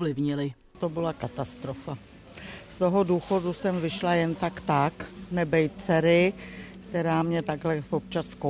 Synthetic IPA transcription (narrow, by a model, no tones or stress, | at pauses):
vlɪvɲɪlɪ | t̪obɪlakat̪ast̪ɾo̞fa | st̪o̞ɦo̞duːxo̞dusɛmvɪʃlajɛnt̪akt̪aknɛbɛjt̪t͡sɛɾɪkt̪ɛɾaːmɲɛt̪aɡlɛvop̚t͡ʃasko